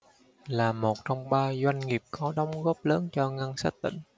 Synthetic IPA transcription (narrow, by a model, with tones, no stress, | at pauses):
laː˨˩mo˨˩t̚t͡ɕɔ˧wŋ͡mɓaː˧zwa˧jŋ̟ŋi˨˩p̚kɔ˨˦ɗɔ˨˦wŋ͡mɣɔ˦˥p̚ləː˨˦nt͡ɕɔ˧ŋa˧nsa˦˥t̚t̪ï˧˩˦ŋ̟